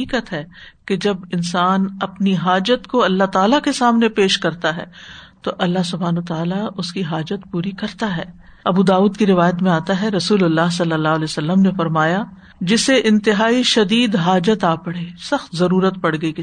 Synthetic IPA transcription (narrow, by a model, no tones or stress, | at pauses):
iːkət̪ɦɛked͡ʒɐbɪnsaːnɐpniɦaːd͡ʒət̪koɐlːaɦt̪aːlakesaːmnepeːʃkɐɾt̪aɦɛ̰ːt̪oʔɐlːaɦsʊbʱɦaːnoːt̪aːlaʊskiɦaːd͡ʒət̪puːɾikɐɾt̪aɦɛː | ɐbuːd̪aːuːd̪kiɾɪʋaːjət̪mẽaːt̪aɦɛɾɐsuːlʊlːaːɦsɐlːəlːaːɦleːosɐlːəmnefɐɾmaːja | d͡ʒɪseʔɪ̃nt̪ɪɦaːiʃɐd̪iːd̪ɦaːd͡ʒət̪aːpɐɽ̤eːsɐxt̪zɐɾuːɾət̪pɐɽ̤ɡɐik